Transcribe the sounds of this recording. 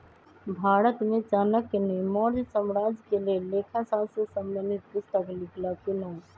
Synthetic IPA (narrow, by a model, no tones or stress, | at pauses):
bʱaːɽət̪mẽd͡ʒaːnəkːenimɔɾd͡ʒsəmɾaːd͡ʒkelelekʰasabsə̃səmːənit̪̚pʊst̪əklikʰlakinəũ